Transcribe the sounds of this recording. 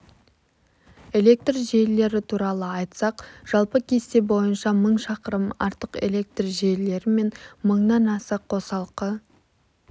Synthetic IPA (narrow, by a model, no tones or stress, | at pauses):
e̞le̞k̚t̪rʒele̞ɾɪt̪ʰuɾɑlˠəɑjt̪sɑqʒ̥ɑlˠpəkʲʰe̞st̪e̞bo̞jənʃɑməɴʃɑqəɾəmɑ̰ɾt̪əqe̞̰le̞k̚t̪rʒele̞ɾɪme̞nməɴnɑnɑsəqʰːo̞sɑlˠqə